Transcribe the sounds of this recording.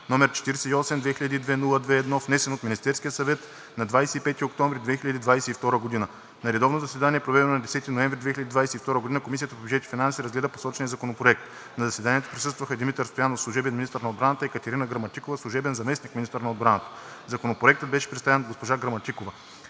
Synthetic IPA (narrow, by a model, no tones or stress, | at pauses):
nɔmɛɾt͡ʃɛ̥t̪iɾsɛiɔsɛmd̪vɛxiʎʲəd̪iːd̪vɛnulˠəd̪vɛːd̪nɔfnɛsɛnot̪minist̪ɛɾskʲijəsɐvɛt̪ | nɐd̪vajsɛipɛt̪iok̚t̪ɔ̃ɱvɾid̪vɛxilʎɐd̪id̪vajsɛift̪ɔɾəɡod̪inə | nɐɾɛd̪ɔvnozɐsvɛd̪anʲiɛpɾovɛd̪ɛnonɐd̪ɛsɛt̪inoɛɱvɾid̪vɛxʲilʎəd̪id̪vajsɛift̪ɔɾəɡod̪inəkomisijət̪əpobʲyd͡ʒɛt̪i̥finansiɾɐzɡlɛd̪əpo̥sɔt͡ʃɛnijəzɐkonopɾoɛk̚t̪ | nɐzɐsvɛd̪aniɛt̪o̥pɾʲisɤst̪vəxəd̪imit̪əɾst̪ojanofslˠuʊʒɛbɛnmʲinist̪əɾnɐod̪bɾanət̪əikət̪ɛɾinəɡɾɐmɐt̪ikovəslˠʊʒɛbɛnzɐmɛsnikminist̪əɾnɐod̪bɾanət̪ə̥ | zɐkonopɾoɛk̚t̪ət̪̚bɛʃɛ̥pɾɛt̪st̪avɛnɡospoʒaɡɾɐmɐt̪ikovɐ